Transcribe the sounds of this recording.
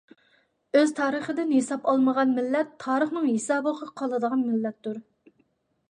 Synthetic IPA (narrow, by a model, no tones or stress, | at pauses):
øzt̪ʰɑːɾəχəd̪ɪnɦesɑpɑlˠməʁɑnmɪlːɛt̪ʰːɑːɾəχnɨŋɦesɑːbəʁɑqʰɑlˠɨd̪əʁɑnmɪlːɛt̪ːuɾ